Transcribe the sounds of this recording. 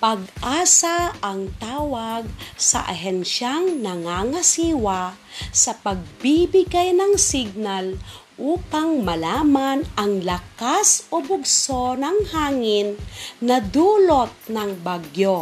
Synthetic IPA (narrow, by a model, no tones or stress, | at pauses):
pɐɡʔaːsaːŋt̪aːwaɡ̚sɐ̰ʔa̰ɦɛnʃaŋnɐŋaŋasiːwa | sɐpɐɡ̚bibɪɡajnɐŋsiɡ̚nal | ʔuːpaŋmɐlaːmanɐŋlɐkasobʊɡsonɐŋhaːŋɪnːɐd̪uːlot̪̚nɐŋbaɡjo